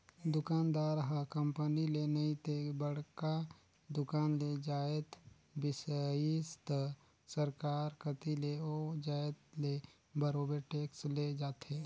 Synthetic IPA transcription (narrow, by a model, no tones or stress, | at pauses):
d̪ʊkaːnd̪aːɾɦəkəmpənilenəĩt̪ebəɽ̤ka | d̪ʊkaːnled͡ʒaːət̪ | bɪsist̪ | səɾkaːɾkət̪ileɔːd͡ʒaːət̪le | bəɾoːbeʈeːksled͡ʒaːt̪ʰe